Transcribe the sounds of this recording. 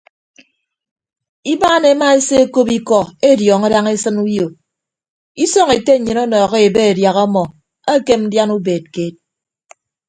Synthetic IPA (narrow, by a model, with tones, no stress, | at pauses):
i˦baː˦ne˨˦ma˦e˦se˦e˦ko˦pi˦kɔ˦˨e˦djɔː˨ŋa˦da˦ŋe˦sɨ˦nu˦jo˨ | i˦sɔ˦ŋe˨te˦˨ɲɨ˨nɔ˦nɔː˨ɣe˦e˨be˦e˨dja˨ɣɔ˦mɔ˨ | a˦ke˦mn̩˦dja˦nu˦beː˨t̚keː˦t̚